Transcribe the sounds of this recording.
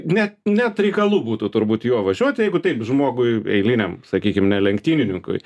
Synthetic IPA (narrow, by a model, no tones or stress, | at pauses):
nʲɛt̪nʲɛt̪ɾʲɛɪkɐlˠuːbuːt̪ʊt̪ʊɾbuːt̪juɔʋɐʒʲuɔt̪ʲjɛɪɡʊt̪ɛɪpʒmoːɡʊɪɛ̰ɪlʲɪnʲɛmsɐkʲiːkʲɪmnʲɛlʲɛŋkt̪ʲiːnʲɪnʲɪŋkʊ̰ɪ